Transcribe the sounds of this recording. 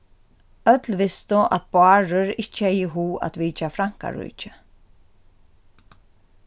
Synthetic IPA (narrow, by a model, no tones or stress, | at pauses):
œt̪lvɪst̪ʊʔa̰t̪̚bʊaːɹʊɾɪt͡ʃːɛjɪɦuːa̰t̪viːt͡ʃafɾaŋ̥ka̰ɹṵːt͡ʃɪ